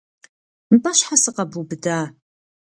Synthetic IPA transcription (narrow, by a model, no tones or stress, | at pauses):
mbɐɕħasɨqɐbubɨdaː